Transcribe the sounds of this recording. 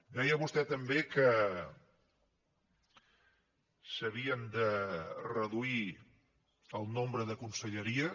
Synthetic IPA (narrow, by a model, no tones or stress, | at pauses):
d̪ɛjəβust̪ɛt̪əmbekə | səβ̞iənd̪ərəðui | əlˠnombɾəðəkunsəʎəɾiə